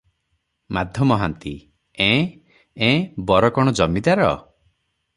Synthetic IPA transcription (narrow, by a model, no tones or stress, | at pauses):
mad̪ʱjɔmɔɦant̪i | ẽ | ẽbɔɾɔkɔɽ̃ɔd͡ʒɔmid̪aɾɔ̰